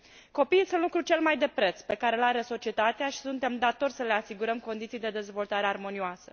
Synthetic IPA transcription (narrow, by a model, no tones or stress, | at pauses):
ko̞pijisunlukɾut͡ʃe̞lmajd̪e̞pɾe̞t̪spe̞kaɾe̞laɾe̞so̞t͡ʃie̞t̪at̪eaʃi̥sunt̪e̞md̪at̪o̞rʲsəle̞asiɡuɾəmko̞nd̪it̪sijd̪e̞d̪e̞zvo̞lt̪aɾe̞armo̞nioasə